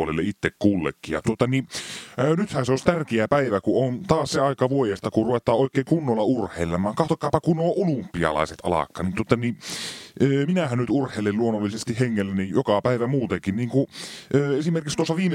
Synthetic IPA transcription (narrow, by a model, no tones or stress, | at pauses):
olḛlːeit̪ːekkuːlːḛkːijɑ̰t̪uot̪ɑni | nyt̪hæseost̪ærkeæpæiʋækuʔont̪ɑːsseɑˑikɑʋuojest̪ɑkuruʋet̪ˑɑːʔoˑikːˑeːŋkunːolːɑurhˑeˑilːemˑɑːŋkɑht̪okːˑɑːpɑkunːoːʔolumpːiɑ̰lɑ̰ˑiset̪ʔɑ̰lɑ̰kːˑɑ̰ːnint̪uot̪ːɑni | øːminæhænnyt̪urhˑeˑilelluonːolːisest̪iheŋːelːænijokɑpæiʋæmuːt̪ekinniːŋkuøːesimerkikst̪uosːɑʋiːme